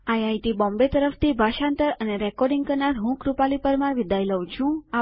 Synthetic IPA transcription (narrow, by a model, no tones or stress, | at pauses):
ajajt̪ibɔ̃mbet̪əɾəft̪ʰibʱaʃant̪əɾəneɾɛkɔɾɖiŋɡkəɾnaɾɦũkɾupalipəɾmaɾʋid̪ʱajləw̃t͡ʃʰũa